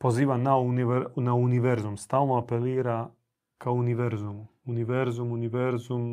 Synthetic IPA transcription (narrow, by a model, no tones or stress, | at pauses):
poziːʋanauniʋnauniʋeɾzumst̪alnoapeliːɾa | kʰauniʋeɾzumu | uniʋeɾzumuniʋeɾzum